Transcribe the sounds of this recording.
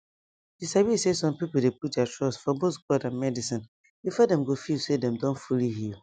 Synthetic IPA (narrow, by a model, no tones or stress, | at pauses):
disabisesɔ̃mpipolˠdeput̚dɛtʰɹɔsfɔboθɡɔdãnmɛdisĩn | ifɔdɛ̃mɡofisedɛ̃mdɔ̃nfulihil